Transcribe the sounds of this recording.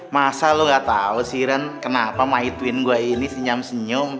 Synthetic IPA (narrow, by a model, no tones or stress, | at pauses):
masaloŋɡaʔt̪ausiɾankənapamait̪wɪnɡuainisəɲamsəɲʊm